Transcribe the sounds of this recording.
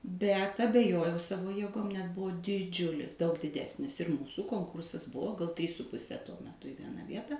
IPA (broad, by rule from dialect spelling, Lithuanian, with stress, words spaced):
bʲɛt ɐbʲɛˈjoːjɛʊ ˈsɑːʋoː jeːˈɡoːm nʲɛs ˈbʊʋoː dʲɪˈd͡ʒʲʊlʲɪs dɐʊk dʲɪˈdʲæːsʲnʲɪs ɪr ˈmuːsuː ˈkoːŋkʊrsɐs ˈbʊʋoː ɡɐlˠ tʲrʲiːs sʊ pʊˈsʲɛ tuɔ mʲɛˈtʊ ɪ ˈʋʲiɛnɐ ˈʋʲiɛtɐ